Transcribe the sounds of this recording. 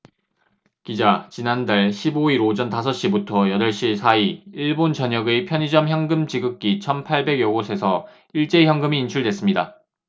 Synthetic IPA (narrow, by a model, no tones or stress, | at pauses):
kid͡ʑat͡ɕinandaɭɕʰiboiɾod͡ʑʌntasʰʌɕ͈ibutʰʌjʌdʌɭɕ͈isʰaiiɭbont͡ɕʌɲʌɡepʰjʌɲid͡ʑʌmçjʌŋɡɯmt͡ɕiɡɯk̚k͈it͡ɕʰʌnpʰaɭbe̞ɡjʌɡosʰe̞sʰʌ | iɭt͡ɕ͈e̞çjʌŋɡɯmiːnt͡ɕʰuɭdwe̞s͈ɯmɲida